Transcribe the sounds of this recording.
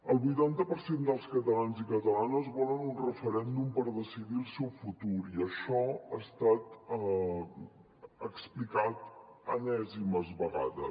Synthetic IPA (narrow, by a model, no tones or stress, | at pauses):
əlˠβujt̪ant̪əpəɾsend̪əlˠskət̪əlanzikət̪əlanəzβɔlənunrəfəɾɛnd̪umpəɾðəsiðilˠsɛwfut̪uɾiəʃɔast̪at̪ | əksplikat̪ənɛziməzβəɣa̰ðə̰s